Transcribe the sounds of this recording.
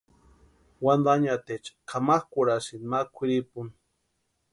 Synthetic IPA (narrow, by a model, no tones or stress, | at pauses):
wand̪aɲat̪et͡ʃkʰamaxkʷuɾasinmakʷʰiɾipun